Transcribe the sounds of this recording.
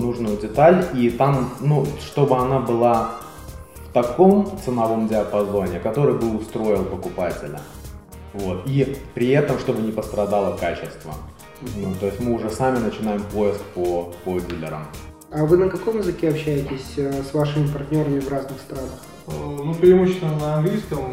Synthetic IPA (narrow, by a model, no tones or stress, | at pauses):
nuʐnʊjʊdʲɪt̪alʲit̪amnuʂt̪o̞bɨɐnabɨlˠa | ft̪ɐko̞mt̪sɨnɐvo̞mdʲɪɐpɐzo̞nʲɪkɐt̪o̞ɾɨjbɨʊst̪ɾo̞jɪlˠpəkʊpatʲɪ̰lʲə̰ | vo̞t̪ipɾʲɪɛt̪əmʂt̪o̞bɨnʲɪpəst̪ɾɐd̪alˠəkat͡ɕɪst̪və̰ | nut̪o̞ɪsʲtʲmɨʊʐɛsamʲɪnət͡ɕɪnajɪmpo̞jɪskpopodʲilʲːɪ̰ɾə̰m | avɨnəkɐko̞mjɪzɨkʲeɐpɕːæjɪtʲɪsʲsvaʂɨmʲɪpɐrtʲnʲo̞ɾəmʲɪvraznɨxst̪ɾanəx | nupɾʲɪmuɕɪɪnənəɐnɡlʲijskəm